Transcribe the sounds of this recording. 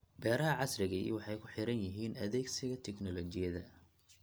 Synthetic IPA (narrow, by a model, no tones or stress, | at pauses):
bɛːɾɐɦɐʕɑsɾɪɣɐḭwɑħɑjkʰʊ̥ħɪɾɐnjɐɦiːnɐðɛːɡsɪɣɐt̪ʰɛknɔlɔt͡ʃɪjɐðɐ